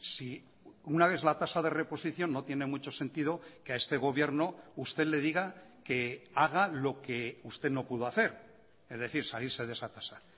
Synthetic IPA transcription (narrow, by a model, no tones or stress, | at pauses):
si | unaβe̞θlat̪asaðe̞re̞po̞siθjo̞nːot̪jene̞mut͡ʃo̞se̞nt̪iðo̞keae̞st̪e̞ɣ̞o̞β̞jeɾno̞ust̪e̞ðle̞ð̞iɣake̞aɣ̞alo̞ke̞ust̪e̞ðno̞puðoaθe̞ɾ | e̞zðe̞θiɾsaliɾse̞ðe̞sat̪ḁsa